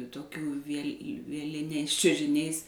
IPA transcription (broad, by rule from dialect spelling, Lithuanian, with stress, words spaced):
toːˈkʲuː ʋʲiɛlʲ ʋʲiɛˈlʲɪnʲɛɪs t͡ʃʲʊʒʲɪˈnʲɛɪs